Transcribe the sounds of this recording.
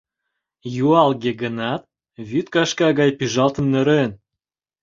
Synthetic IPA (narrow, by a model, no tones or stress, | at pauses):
juɑlɣeɡə̆nɑt̪̚ | βyt̪kɑʃkɑɣɑjpyʒɑlt̪ə̆mnə̆ɾen